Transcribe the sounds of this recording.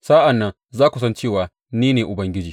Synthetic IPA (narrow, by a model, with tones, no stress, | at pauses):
sa˦ʔa˨nːɐ˦n | zaː˦kʷu˨sɐ˦nt͡ʃeː˦˨waː˨ | niː˦neː˨ʔʊ˨bɐ˦ŋɡʲɪ˦d͡ʒiː˨